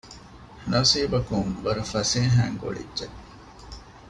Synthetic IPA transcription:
nɐsiːbɐkuŋʋɐɾɐfɐseːɦæ̰ːŋɡo̰ɭḭdʒe

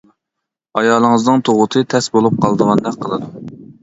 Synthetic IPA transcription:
ɑjɑːlˠəŋəznɨŋt̪ʰoʁʊt̪ʰɨt̪ʰɛsbolˠup̚qʰɑlˠd̪əʁɑnd̪ɛk̚ʲqʰəlˠɨd̪u

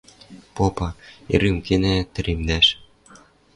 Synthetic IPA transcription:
popɑḛɾymkenĕt̪ɘ̆ɾʔimnæʃ

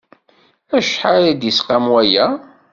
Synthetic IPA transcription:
æʃħaɾæd̪isqamwæjæ

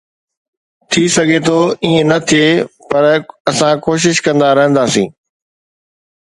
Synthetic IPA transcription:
t̪ʰisɐɡʱet̪ʰoːiːə̃nɐt̪ʰiepɐɾɐsãkoːʃ̬ɪʃkɐ̃nd̪aɾɐɦə̃nd̪aːsĩː

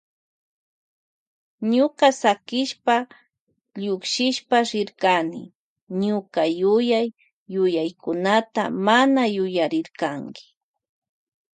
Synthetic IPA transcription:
ɲʊkasakɪʃpa | ʎʊkʃɪʃpaɾɪɾkanɪ̰ | ɲʊkajʊjajː | ʊjajkʊnat̪a̰manajʊjaɾɪɾkaŋkɪ̥

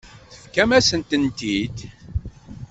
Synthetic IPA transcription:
θəfkæmæsənt̪ənt̪id̪

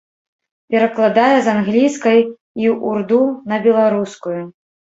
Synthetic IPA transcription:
pʲɛɾɐklˠad̪ajɛzanɣlʲiskɐj | iʔurd̪unɐbʲɛlˠaɾuskuju

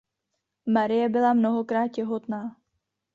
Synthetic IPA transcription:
maɾɪjɛbɪlamno̞ɦo̞kɾaːt̪̚cɛɦo̞t̪naː

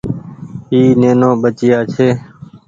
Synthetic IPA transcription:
iːneːnõːɓət͡ʃɪjaːt͡ʃʰeː

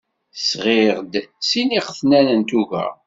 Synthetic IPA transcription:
sʁeʁd̪siniqəθnænənt̪uʝæ̰

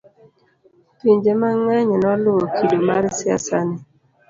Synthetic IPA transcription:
tiɲd͡ʒemaŋɛɲnɔlʊɔkʰidomaɾɪsɪa̰sanɪ

